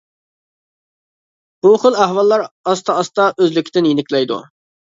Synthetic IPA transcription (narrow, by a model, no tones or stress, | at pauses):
b̥uχəlˠæhwɑlˠːɑɾɑst̪ʰɑːst̪ɑʔøzlɪkʲʰɪd̪ɪnjenɪkʲlɛjd̪ṵ